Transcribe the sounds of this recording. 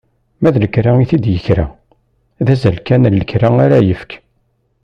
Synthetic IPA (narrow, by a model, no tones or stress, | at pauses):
mæðləkɾaiθid̪jəçɾa̰ | ðæzælkænælːəkːɾaaɾæjəfə̥k